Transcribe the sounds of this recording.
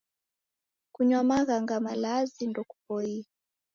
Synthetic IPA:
kuɲwamaɣaŋɡamalazindɔku̥p̚ɔi

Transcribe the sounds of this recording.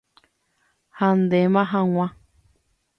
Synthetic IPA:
hãnd̪emãɦãŋʷã

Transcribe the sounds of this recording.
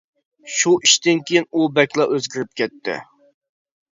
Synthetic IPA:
ʃuʔiʃt̪ɪnkʲejinubɛkʲlˠɑʔøzɡʲiɾɪp̚kʲɛt̪ʰːɪ̰

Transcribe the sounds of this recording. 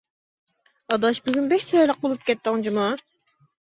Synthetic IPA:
ɑd̪ɑʃbyzʲynbɛʃt͡ʃʰɑjlˠəq̚bolˠup̚kʲɛt̪ːɨŋd͡ʒimu

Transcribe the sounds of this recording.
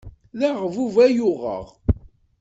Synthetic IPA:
ðæʁvuvæjʊʁə̰ʁ

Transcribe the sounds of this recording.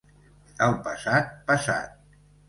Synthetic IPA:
əlˠpəsat̪̚pəsa̰t̪̚

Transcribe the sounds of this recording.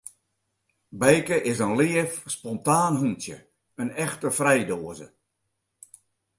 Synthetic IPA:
bɛjkəʔɪsənlɪəfspɔntaːnɦuntjə̰ | ənɛxtəfrɛjdoːəzə̰

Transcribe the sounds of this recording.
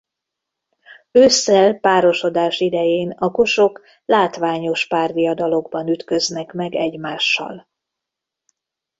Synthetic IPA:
øːsːɛlpaːɾo̞ʃo̞d̪aːʃid̪ɛjeːnɒko̞ʃo̞k | laːt̪ʋaːɲo̞ʃpaːrd̪ijɒd̪ɒlo̞ɡ̚bɒnyt̪kø̞znɛkmɛɡɛɟmaːʃːɒ̰l

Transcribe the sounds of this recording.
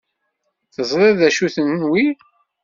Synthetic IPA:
θəzˤɾˤæðæʃuθənnwi

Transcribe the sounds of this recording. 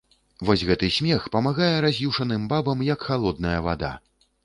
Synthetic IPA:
vɔsʲɣɛt̪ɨsʲmʲɛxpɐmaɣajɛɾazʲjuʂɐnɨmbabɐmjɐkxalˠɔd̪nɐjɐva̰d̪a̰

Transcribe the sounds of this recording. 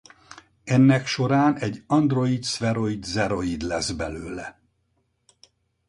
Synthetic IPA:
ɛnːɛkʃo̞ɾaːnɛɟːɒnd̪ro̞it̪sʋɛɾo̞id̪zɛɾo̞id̪lɛzbɛløːlɛ

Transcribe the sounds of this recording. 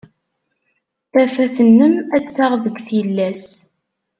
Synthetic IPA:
θæfæθənːəmæd̪θaʁðəɡʷθiəlːæs

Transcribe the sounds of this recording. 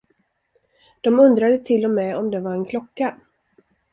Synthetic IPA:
d̪̥ɔmɵnd̪ɾad̪ət̪ʰɪlːɔmɛːɔmd̪ɛvaɾɛnkʰlɔkːa

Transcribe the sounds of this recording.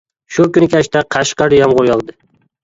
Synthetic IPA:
ʃʊkʲʊnɪkʲʰaʃt̪aqʰɑʃqɑɾjɒmʁʊɾjɒlˠd̪ɪ

